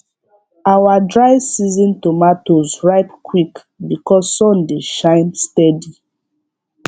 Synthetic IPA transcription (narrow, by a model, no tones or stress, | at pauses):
awadɹaɪsizĩntomatozɹaɪpkwik | bikɔzːɔ̃ndeʃãɪnstɛdi